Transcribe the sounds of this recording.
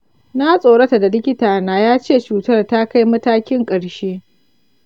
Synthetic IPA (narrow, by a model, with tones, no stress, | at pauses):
na˦sʼoː˨ɽɐ˦ta˨da˨lɪ˦kʲɪ˦taː˨naː˦jaː˦t͡ʃeː˦˨t͡ʃuː˨tɐ˦rta˦ka˦jmɐ˦taː˦kʲɪ˦ŋkʼɐ˨ɽʃeː˦